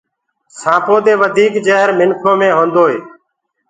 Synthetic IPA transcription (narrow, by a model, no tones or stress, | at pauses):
sãːpoːd̪eːʋəd̪ʱiːkd͡ʒeːɦɾmɪnkʰõːmẽːɦõːnd̪oːɦeː